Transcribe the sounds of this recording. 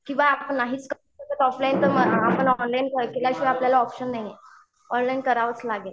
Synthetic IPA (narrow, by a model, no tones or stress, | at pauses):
kĩw̃ʋaːpənːaɦiːt͡skəɾusət̪ət̪ɔflaint̪əɾməɡapəɳɔnlainkəɾkelaɕiapljalaɔpɕəndeje | ɔnlainkəɾaʋət͡slaɡel